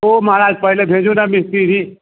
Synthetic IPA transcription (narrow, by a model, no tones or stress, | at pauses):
omaːɾaːd͡ʒpɐɦlebʱẽːd͡ʒonamɪst̪iɾiː